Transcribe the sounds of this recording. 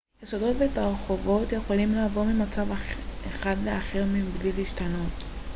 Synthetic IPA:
jesodo̞tvetaʁχovo̞tjeχo̞limlaːvo̞ʁmimat͡savaeχadleaχe̞ʁmibliliːʃtano̞t

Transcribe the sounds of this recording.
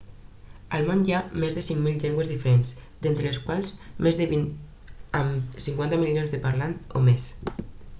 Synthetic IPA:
əlˠmõnjamezðəsiŋmilʎɛŋɡwəzðifəɾensd̪ent̪ɾəːskwalˠzmezðəβin | əmsiŋkwant̪əmiljonzðəpəɾlant̪o̰mes

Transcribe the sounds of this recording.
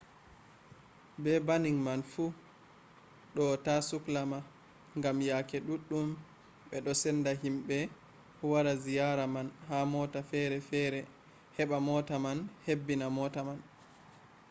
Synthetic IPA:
bɛbaniŋmanfu | ɗɔtasuklama | ŋɡamjakɛɗuɗːum | ɓɛɗɔsɛndaɦimɓɛ | waɾazijaɾamanhamɔtafɛɾɛfɛɾɛ | hɛɓamɔtamanhebːinamɔtaman

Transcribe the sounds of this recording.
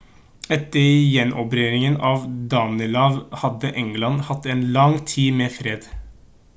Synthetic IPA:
ɛt̪əɾjɛnʔɔpɾeːɾɪŋənɑːʋd̪ɑːnəlɑːʋhɑd̪əʔɛŋɡlɑnhɑt̪ːeːnlɑŋt̪ʰiːmeːfɾeːd̪

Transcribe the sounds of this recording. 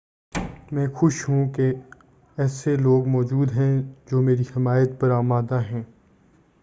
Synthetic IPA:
mɛ̃ːxʊʃɦũke | ɛːseloːɡmɔːd͡ʒuːd̪ɦɛ̃d͡ʒoːmeːɾihɪmaːjət̪pɐɾaːmaːd̪aɦɛ̃ː

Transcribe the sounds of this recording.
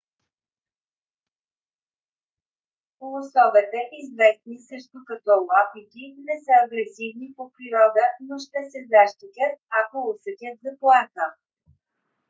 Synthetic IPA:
kolˠʊsɔvɛt̪ɛʔizvɛst̪nisɾɛʃt̪okɐt̪ɔlˠɔkik̪inɛsəɐɡɾɛsivnipopɾiɾɔd̪ənoʃt̪ɛsɛzaʃt̪ikʲət̪̚akoʊsɛkʲət̪zɐplˠat̪ə

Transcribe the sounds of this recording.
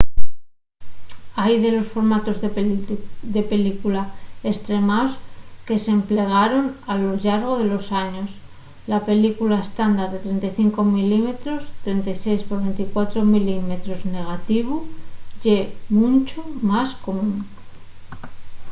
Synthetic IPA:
ajðe̞lo̞sfo̞ɾmat̪o̞zð | d̪e̞pe̞likulae̞st̪ɾe̞maoske̞se̞mple̞ɣ̞aɾo̞nalo̞ʎaɾɣo̞ðe̞lo̞saɲo̞s | lape̞likulae̞st̪and̪aɾðe̞t̪ɾe̞nt̪ajθiŋko̞milime̞t̪ɾo̞st̪ɾe̞nt̪ajse̞jspo̞ɾβe̞nt̪ikwat̪ɾo̞milime̞t̪ɾo̞zne̞ɣ̞at̪iβ̞uʝe̞munt͡ʃomasko̞mũn

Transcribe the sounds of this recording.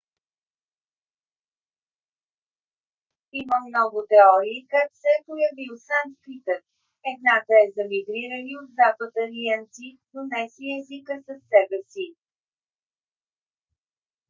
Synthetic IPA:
iməmnɔɡʊt̪ɛɔɾiːkak̪sɛpojɐvilˠsant̪pit̪ɛɾ | ɛd̪nat̪əɛzəmiɡɾiɾəniod̪zapət̪əliɛnt̪si | d̪onɛsiɛzikəsəsːɛbɛsi

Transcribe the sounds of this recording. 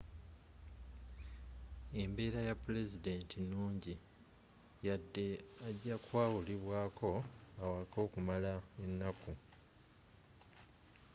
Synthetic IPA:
e̞mbe̞ːɾajapːule̞zide̞ːntʰinuːɲɟi | jadːe̞aɟːakwaːwuliβwaːkʰo̞awako̞ːkumalae̞nːaku

